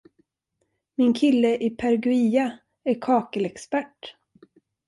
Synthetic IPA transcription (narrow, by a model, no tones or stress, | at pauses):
mɪnkʰɪlːəʔɪpʰæɾɡʉiːa | æɾkʰɑːkəlɛkspæʈː